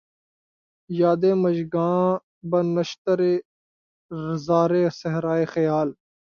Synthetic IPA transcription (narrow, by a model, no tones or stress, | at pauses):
jaːd̪eːmɐd͡ʒɡãː | bɐnɐʃt̪əɾeː | ɾɪzaːɾeːsɐɦɾaːeːxɐjaːl